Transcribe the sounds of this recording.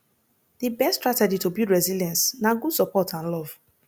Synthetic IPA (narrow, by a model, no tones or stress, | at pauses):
dibɛstːtɹatɛd͡ʒitobudɹɛziljɛ̃nsnaɡud̥sɔpɔtʰãnlɔv̥